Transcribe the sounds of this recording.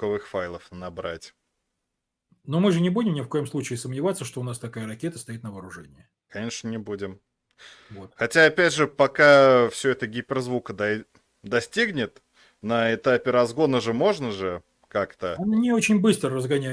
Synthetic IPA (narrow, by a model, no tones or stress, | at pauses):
kɐvɨxfajlˠəfnɐbɾa̰tʲ | nomɨʐɨnʲɪbudʲɪmnʲɪfko̞jəmslˠut͡ɕɪːsəmnʲɪvat̪sːəʂt̪o̞ʊnast̪ɐkajəɾɐkʲe̞t̪əst̪ɐit̪nəvəːɾʊʐɛnʲɪɪ | kɐnʲeʂnənʲɪbudʲɪm | vot̪xɐtʲaɐpʲædʲʐɨpɐkafsʲɵɛt̪əɡʲipʲɪrzvukəd̪ɐ | d̪ɐsʲtʲiɡnʲɪt̪ | nəɪt̪apʲɪɾɐzɡo̞nəʐɨmo̞ʐnəʐɨ | kakt̪əɐnnʲɪo̞t͡ɕɪnʲbɨst̪ɾərəzɡɐnʲæ